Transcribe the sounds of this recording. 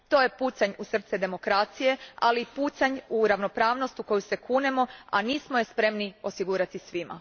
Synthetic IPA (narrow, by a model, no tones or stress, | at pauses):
t̪o̞jepuːsaɲusr̩t̪sɛd̪e̞mo̞kɾat̪sije̞alipuːsaɲuɾaʋno̞pɾaːʋno̞st̪uko̞juse̞kʰuːnemo̞a̰niːsmojespɾe̞mnio̞siɡuːɾat̪isʋima̰